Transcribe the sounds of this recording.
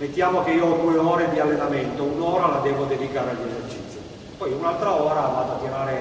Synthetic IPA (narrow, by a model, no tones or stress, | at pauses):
met̪ːjaːmokeiːod̪ueɔːɾed̪ialːenamɛnt̪ounɔːɾalad̪ɛːvod̪ed̪ikaːɾealːezert͡ʃit̪sjo | pɔjunalt̪ɾaɔːɾavaːd̪oat̪ːiɾaːɾe